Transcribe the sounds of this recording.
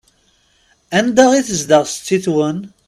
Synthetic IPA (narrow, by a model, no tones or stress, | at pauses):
ænd̪aʁiθəzd̪əʁst͡s̪t͡sːiθwən